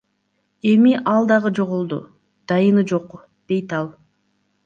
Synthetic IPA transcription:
e̞miʔɑlˠd̪ɑʁɯd͡ʒo̞ʁulˠd̪ṵ | d̪̥ɑjɯnɯd͡ʒo̞q | d̪̥e̞jt̪ɑlˠ

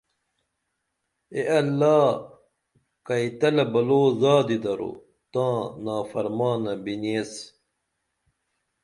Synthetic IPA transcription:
eʔɐlːaː | kɐjt̪ɐlɐbɐloːzaːd̪id̪ɐɾo̰ | t̪ãːnaːfɐɾmaːnɐbineːs

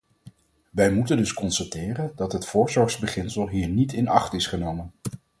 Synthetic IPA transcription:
ʋɛjmutəndɵskɔnstatɪːrəndɑtɦətfʊːɹzɔɹχzbəχɪnsəlˠɦiːɹnitɪnɑχtɪsχənowmən

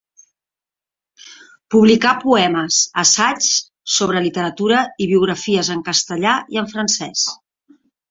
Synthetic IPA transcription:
puβlikapuɛməsəsat͡ʃ | soβ̞ɾəlit̪əɾət̪uɾəiβ̞iuɣ̞ɾəfiəzəŋkəst̪əʎaiəɱfɾənsɛs

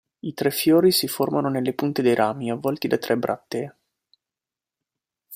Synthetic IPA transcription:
it̪ɾɛfjoːɾisiformanonelːepunt̪ed̪ejɾʔaːmiavːɔlt̪id̪at̪ɾʔɛbɾʔa̰t̪ːe

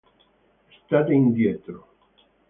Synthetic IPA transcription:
est̪at̪eind̪jet̪ɾo

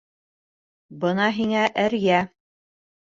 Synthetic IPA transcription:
bɤnɑɦiŋæʔɘɾjæ

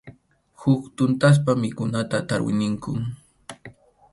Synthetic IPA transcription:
hʊkt̪ʊnt̪as̬pamɪkʊnat̪at̪aɾwɪ̰nɪŋkʊ

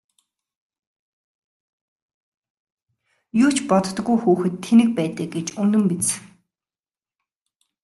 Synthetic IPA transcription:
jʊːt͡ɕʰpɔt̪t̪̆ɡujxuːxɘ̆t̪ʰːenɘ̆k̚pæːt̪ə̆k̚ɡet͡ɕɵnɵ̆mpit͡s

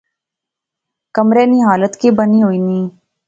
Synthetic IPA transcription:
kəmɾeːniːɦaːlət̪kebəniɦoːiːniː

